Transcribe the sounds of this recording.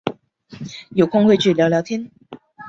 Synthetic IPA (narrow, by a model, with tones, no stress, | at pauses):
jo˨˩kʰʊ˥ŋxwe˥˧ɪt͡ɕy˥˩ljɑ˧˥ʊljɑ˧˥t̪ʰjɛ˥n